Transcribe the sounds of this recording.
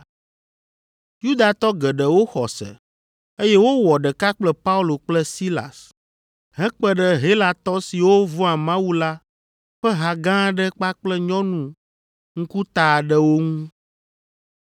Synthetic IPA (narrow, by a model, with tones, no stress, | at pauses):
ju˦d̪a˨t̪ɔ˦ɡɛ˨ɖɛ˨wo˦xɔ˨sɛ̰˨ | e˦jɛ˦wo˦wɔ˨ɖɛ˨ka˦k͡plɛ˦pa˦u˦lo˨k͡plɛ˦si˦la̰˨s | ɦɛ̃˦k͡pɛ˦ɖɛ˦ɦe˦la˨t̪ɔ˦si˨wo˦vɔ̃˦a˨mã˦wu˦la˦ | ɸɛ˦ɦa˨ɡã˦ɖɛ˦k͡pa˦k͡plɛ˦ɲɔ̃˦nũ˨ | ŋ̩˦ku˦t̪a˨ɖɛ˦wo˦ŋũ˦